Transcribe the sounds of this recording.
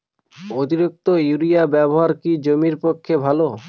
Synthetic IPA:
ot̪iɾik̚t̪ojuɾijabɛboɦaɾkid͡ʑomiɾpokʰːebʱalo

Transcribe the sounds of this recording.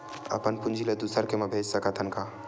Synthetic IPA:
ə̰pənpʊnd͡ʒʱiled̪usəɾkemẽbʱeːd͡ʒsəkət̪ʰənka

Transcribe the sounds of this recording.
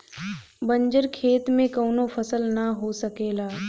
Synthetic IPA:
bɐ̃ɲd͡ʒəɾkʰeːt̪mẽkɐːnopʰɐsəlnɐɦosɐkeːlaː

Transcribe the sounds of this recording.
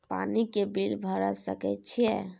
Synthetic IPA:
pa̰nikebilbʱəɾəsəkɛt̪t͡ʃʰijɛ̰

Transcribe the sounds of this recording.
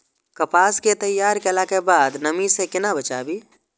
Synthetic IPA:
kɐpaːsket̪əjːaːɾkelakebaːd̪nəmisekɪnabət͡ʃa̰ːbiː

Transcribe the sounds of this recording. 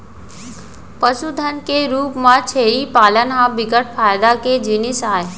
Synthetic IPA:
pəsud̪ʱənkeɾuːpmãt͡ʃʰeːɾipaːlənɦãbɪɡəʈ̚ʰfʰaːjd̪aked͡ʒɪnɪsaːe

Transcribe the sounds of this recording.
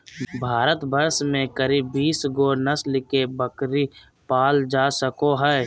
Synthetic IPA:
bʱaːɾət̪bəɾsmẽkəɾiːbːiːsɡonəslɪkebəkɾi | paːld͡ʒaːsəkoɦɛː

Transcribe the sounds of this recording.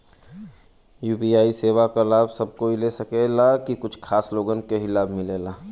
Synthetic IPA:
juːpiaːiseːʋakalaːbʱsɐb̚koilesəkelakikʊt͡ʃʰkʰaːsloːɡənkeɦilaːbʱmɪlelaː

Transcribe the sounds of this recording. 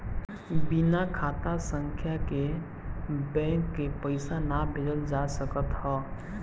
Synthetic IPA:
binakʰaːt̪asə̃ŋkʰjake | bɛ̃ːŋkːepəɪsanabʱɪd̪əld͡ʒasəkət̪hɔː

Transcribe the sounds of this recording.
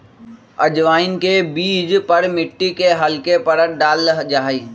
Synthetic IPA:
ɐd͡ʒʋaːɪnkebiːd͡ʒpɐɾmɪʈːikeɦɐlkepɐɾəʈ̚ɖaːlɦd͡ʒaːiː

